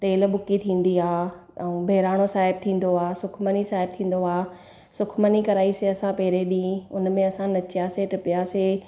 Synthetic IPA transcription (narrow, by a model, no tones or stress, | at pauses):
t̪eːl̆bʊkit̪ʰĩːn̆d̪iaː | ɐũːbʱeːɾaːɽ̃osaːɦɪb̚t̪ʰĩːn̆d̪oaːsʊkʰmənisaːɦɪb̚t̪ʰĩːn̆d̪oaː | sʊkʰmənikɐɾaːiseɐsãpɛɦɾeɗĩʊnmẽɐsãnɐt͡ɕɪjaseʈɪpɪjaseː